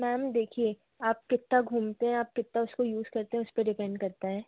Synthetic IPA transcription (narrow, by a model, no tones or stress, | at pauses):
mɛːmd̪eːkʰie | aːp̚kɪt̪ːaɡʱuːmt̪eɦɛ̃aːp̚kɪt̪ːaʊskojuːzkɐɾt̪ẽɦɛ̃ʊspeɖɪpɛ̃ɳɖkɐɾt̪aɦɛː